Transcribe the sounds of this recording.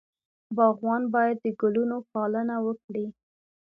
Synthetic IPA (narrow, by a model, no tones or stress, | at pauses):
bɑɣwɑnbɑjad̪ːəɡʊlunopɑlənawəkɽi